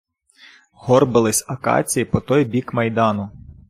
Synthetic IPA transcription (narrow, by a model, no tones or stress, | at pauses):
ɦɔrbɪlˠɪsʲɐkɑ̰t͡sʲijipɔt̪ɔjbʲikmɐjd̪ɑnʊ